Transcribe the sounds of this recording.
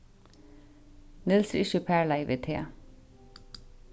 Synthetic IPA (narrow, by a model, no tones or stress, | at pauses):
nɪlsɾɪʃəpʰæːɭæɪʋḛːt̪ʰḛː